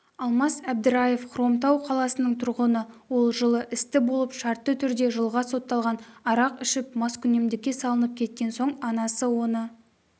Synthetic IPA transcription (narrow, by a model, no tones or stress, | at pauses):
ɑlˠmɑsæb̚d̪ɪɾɑje̞fqʰɾo̞mt̪ɑwqʰɑlˠɑsənəɴt̪ʰʊɾʁənəwo̞lˠʒəlˠəʔɪst̪ɪbolˠəpʃɑɾt̪ːət̪ʰʏɾd̪e̞ʒəlˠʁɑso̞t̪ːɑlˠʁɑnɑɾɑqɪʃɪp̚mɑskʲʰʏne̞md̪ɪkʲːe̞sɑlˠənəp̚kʲʰe̞t̪̚kʲe̞nso̞ɴɑnɑsəwo̞nə